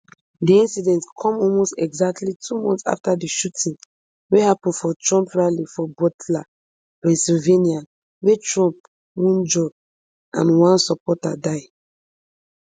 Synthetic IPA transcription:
diĩnsidɛ̃ntkʰɔ̃mɔlmostɛɡzak̚tʰlitʰumɔ̃ntsa̰ftadiʃutʰĩn | wehapɔ̃n̩fɔtɹɔ̃mpɹalifɔbɔtla | pɛ̃nsilvenia | wetɹɔ̃mp̚ | wɔ̃nd͡ʒɔb̚ | ʔã̰nwãnsɔpɔtadaɪ

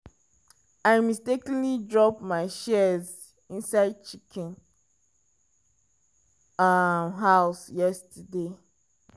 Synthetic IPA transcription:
aɪmistekə̃nlidɹɔpmaɪʃɛz | ĩnsaɪd̚t͡ʃikʰɛ̃n | mɦaʊsjɛstəde

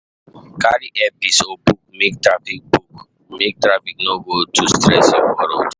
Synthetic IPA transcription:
kaɾiʔɛpisobuk̚mek̚tɹafik̚buk | mek̚tɹafik̚noɡotʰustɹɛsɛkwɔɾo̰t

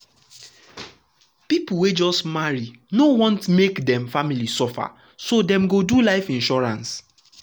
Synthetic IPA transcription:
pipuwed͡ʒɔstmaɹi | nowɔ̃ntmekdɛ̃mfamilisɔfa̰ | sodɛ̃mɡodulaɪfĩnʃɔɹãns

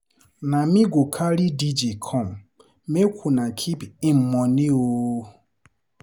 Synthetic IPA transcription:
namĩɡokʰaɾidid͡ʒikʰɔm | mekʰʷunãkʰipim̩mɔnio

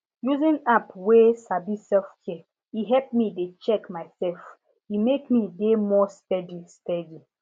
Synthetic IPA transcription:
juzĩnapwesabisɛlfkʰɛ | iɦɛp̚midet͡ʃɛkmaɪsɛlf | imekmidemɔstɛdistɛdi

